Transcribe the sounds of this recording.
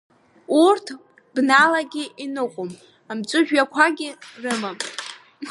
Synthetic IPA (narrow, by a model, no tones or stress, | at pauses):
urtʰ | bnalaɡʲɪʔinɨqʷʼom | amt͡sʷʼʊʒᶣakʷʰaɡʲɪrɨmam